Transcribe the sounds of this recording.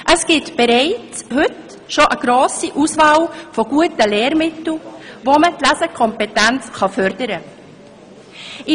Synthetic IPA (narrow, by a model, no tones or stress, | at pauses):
ʔəsɡ̥ɪtb̥ɛɾaɪt͡shʏt | ʃoʔəɡ̥ɾoːsiʔuːsvɑːlfoɡ̥uətəleːɾmɪtl̩voːmətlæzəkʰɔmpetɛnt͡sχɑfœɾdəɾə | ɪ